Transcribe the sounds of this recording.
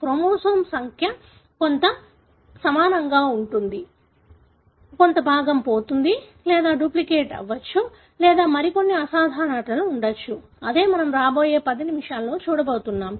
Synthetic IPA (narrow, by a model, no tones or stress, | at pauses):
kɾomoːsoːmsɐŋkʰjɐ | ko̞nt̪ɐ | sɐmaːnɐŋɡaːuɳʈund̪i | ko̞nt̪ɐbʱaːɡɐmpoːt̪und̪i | lɛːd̪aːɖuplikeːʈɐ̰ʋːɐt͡ʃːu | lɛːd̪aːmɐɾiko̞nːiɐsaːd̪ʱaːɳaʈɐluːɳɖɐt͡ʃːu | ɐd̪e̞ːmɐnɐmɾaːbo̞ːje̞ːpɐd̪inimiʂaːlɐlo̞ːt͡ʃuːɽɐboːt̪unːaːm